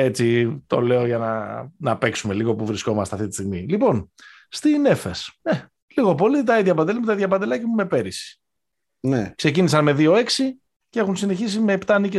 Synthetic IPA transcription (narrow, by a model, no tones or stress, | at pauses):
e̞t͡sit̪o̞̰le̞oʝɐnɐ̰nɐpe̞ksume̞liɣo̞puvɾisko̞mɐst̪ɐft̪it̪i̥st̪iɣmilipo̞n | st̪ine̞fesne | liɣo̞po̞lit̪ɐiðʝɐpɐnd̪elmut̪ɐiðjɐpɐnd̪e̞lɐcimume̞pe̞ɾisi̥ | nḛkse̞cinisɐnme̞ðio̞e̞ksi | cee̞xunsine̞çisimeːpt̪ɐnice